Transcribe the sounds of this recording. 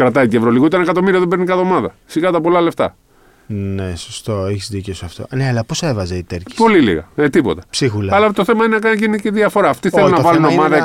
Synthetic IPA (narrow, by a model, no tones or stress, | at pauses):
kɾɐt̪ɐit̪ievɾoliɣout̪ɐnɐkɐt̪o̞miɾiɐðebenikɐtðomɐðɐsiɣɐt̪ɐpo̞lɐle̞ft̪ɐ̰ | nesost̪o̞eçizðiceosɐft̪o̰neɐlɐposevɐzeit̪eɾcipo̞lilḭɣɐ̰et̪ipo̞̰t̪ɐpsixulɐɐlɐt̪o̞θe̞mɐinenɐkɐnʝiniciðiɐfo̞ɾɐːft̪iθelunɐvɐluno̞mɐðɐ